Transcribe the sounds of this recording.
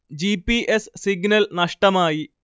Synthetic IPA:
d͡ʑipiʔesːiɡnɐlnɐʂʈɐmaːji

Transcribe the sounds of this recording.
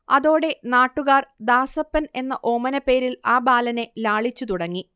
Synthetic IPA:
ɐðo̞ːɽe̞naːʈːuɣaːrd̪aːsɐpːɐne̞nːɐʔo̞ːmɐnɐpːe̞ːɾilaːbaːlɐne̞laːɭit͡ɕːut̪uɽɐŋːi

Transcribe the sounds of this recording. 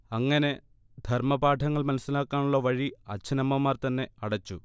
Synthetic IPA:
ɐŋːɐne̞ | d̪ʱɐrmɐbaːʈʰɐŋːɐɭmɐnɐsilaːkːaːnuɭːɐʋɐɻiɐt͡ɕːɐnɐmːɐmaːrt̪ɐnːe̞ɐɽɐt͡ɕːu

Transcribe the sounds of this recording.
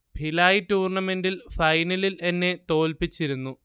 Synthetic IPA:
bʱilaːjitːuːrɳɐme̞ndilfɐjnɐlile̞nːe̞t̪o̞ːlpit͡ɕːiɾunːu

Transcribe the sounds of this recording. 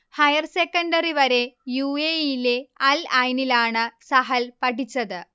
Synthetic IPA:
hɐjɐrsekːɐɳɖɐriʋɐɾe̞jueːjile̞ɐlɐjnilaːɳɨsɐɦɐlpɐʈit͡ɕːɐðɨ

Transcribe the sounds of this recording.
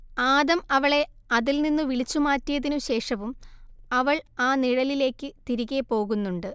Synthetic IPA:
aːðɐmɐʋɐɭe̞ | ɐðilninːuʋiɭit͡ɕːumaːtːijɐðinuɕe̞ːʂɐʋumɐʋɐɭaːniɻɐlile̞ːkːɨt̪iɾiɣepo̞ːɣunːuɳɖɨ

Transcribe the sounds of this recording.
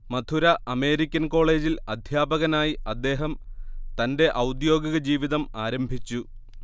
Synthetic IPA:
mɐd̪ʰʱuɾɐʔɐme̞ːɾikʲːɐnko̞ːɭe̞ːd͡ʑilɐd̪ʱjaːbɐɣɐnaːjiʔɐd̪ːe̞ːɦɐmt̪ɐnde̞ʔɐwd̪jo̞ːɡɐɣɐd͡ʑiːʋiðɐmaːɾɐmbʱit͡ɕːu

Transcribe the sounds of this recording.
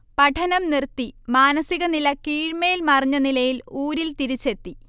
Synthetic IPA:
pɐʈʰɐnɐmnirt̪ːimaːnɐsiɣɐnilɐkiːɻmejilmɐriɲːɐnilɐjiluːɾilt̪iɾit͡ɕːe̞t̪ːi

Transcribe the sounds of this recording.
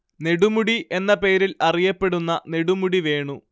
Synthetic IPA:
ne̞ɽumuɽiʔe̞nːɐpe̞ːɾilɐrijɐpːe̞ɽunːɐne̞ɽumuɽiʋe̞ːɳu

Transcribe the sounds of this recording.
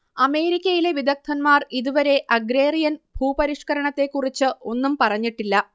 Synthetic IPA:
ɐme̞ːɾikʲːɐjile̞ʋid̪ɐk̚t̪ʰːɐnmaːriðuʋɐɾe̞ʔɐɡɾe̞ːrijɐnbʱuːpɐɾiʂkɐɾɐɳɐt̪ːe̞kːurit͡ɕːɨo̞nːumpɐrɐɲːiʈːilːɐ

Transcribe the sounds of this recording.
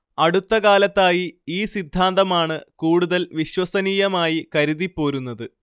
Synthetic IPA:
ɐɽut̪ːɐkaːlɐt̪ːaːjiiːsid̪ʱːaːnd̪ɐmaːɳɨkuːɽuðɐlʋiɕwɐsɐniːjɐmaːjikɐɾuðipːo̞ːɾunːɐðɨ

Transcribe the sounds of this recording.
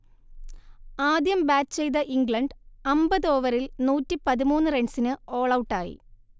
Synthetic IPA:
aːd̪jɐmbaːt͡ɕt͡ɕe̞jðɐʔiŋɡɭɐɳɖɐmbɐðoːʋɐɾilnuːtːipɐðimuːnːɨreɳɖsinɨo̞ːɭɐwʈːaːjḭ

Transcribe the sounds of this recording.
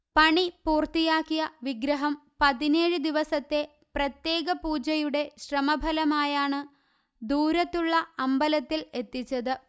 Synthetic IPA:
pɐɳipuːrt̪ijaːkːijɐʋiɡɾɐɦɐmpɐðineːɻɨd̪iʋɐsɐt̪ːe̞ | prɐt̪je̞ːɣɐpuːd͡ʑɐjuɽe̞ɕrɐmɐbʱɐlɐmaːjaːɳɨ | d̪uːɾɐt̪ːuɭːɐɐmbɐlɐt̪ːile̞t̪ːit͡ɕːɐðɨ

